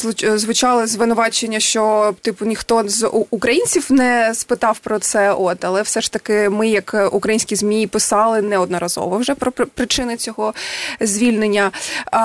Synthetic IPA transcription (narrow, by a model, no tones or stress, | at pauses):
ʊzʋʊt͡ʃɑlˠɪzʋɪnʊʋɑt͡ʃenʲːɐʃt͡ʃɔt̪ɪpʊnʲixt̪ɔzukɾɐjinʲt͡sʲiwnɛspɪt̪ɑwpɾɔt̪sɛʔɔt̪ɐlˠɛwsɛʃt̪ɐkɪmɪjɐkukɾɐjinʲsʲkʲizmʲijipɪsɑlˠɪnɛɔd̪nɔɾɐzɔ̰ʋɔwʒɛpɾɔppɾɪt͡ʃɪnɪt͡sʲɔɦɔzʲʋʲilʲnenʲːɐ